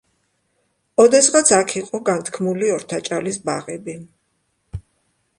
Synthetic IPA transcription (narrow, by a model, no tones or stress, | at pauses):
ɔd̪ɛsʁat̪sʰakʰiqʼɔɡant̪ʰkʰmuliɔɾt̪ʰat͡ʃʼalisba̰ʁɛbi